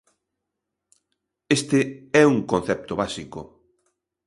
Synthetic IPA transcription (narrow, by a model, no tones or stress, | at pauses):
est̪ɪɛuŋkõn̟θɛp̚t̪oβasikʊ